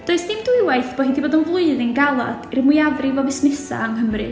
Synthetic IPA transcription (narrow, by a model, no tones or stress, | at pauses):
d̥oɨsnɪmduɨwaɨθb̥ɔːhindʰiboːdənvlˠʊɨðɪnɡalˠa̰d̥ɪrmwʊjaðrivɔvɪsmɪsa̰amɦəmrɨ̰